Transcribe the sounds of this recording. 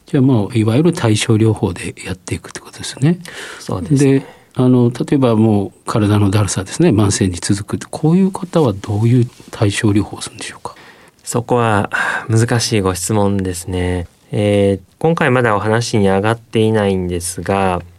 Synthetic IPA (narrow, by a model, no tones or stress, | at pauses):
d͡ʑaːmoːiβajoɾɯ̟t̪ʰaiɕo̞ːɾʲo̞ːho̞ːd̪e̞jat̪ːe̞ikɯ̥t̪oe̥kot̪od̪̥esɨne̞so̰ːd̪ed̪e̞ | ano̞t̪at̪o̞e̞bamo̞ːkʰaɾad̪ano̞d̪aɾɯ̟sad̪e̞sɨne̞mãɰ̃sẽ̞ɲd͡ʑit͡sɨzɨkɯ̟t̪ːkʰoːjɯ̟ːkʰat̪aβad̪o̞ːjɯ̟ːt̪ʰaiɕo̞ːɾʲo̞ːhoːsɨɾɯ̃nd̪e̞ɕoːkḁ | so̞ko̞βamɯzɨkaɕiːɡo̞ɕi̥t͡sɨmõ̞nd̪e̞sɨne̞ | ekõ̞ŋkaimad̪ao̞ɦanaɕiɲ̟iaɡat̪ːe̞inaĩnd̪e̞sɨɡa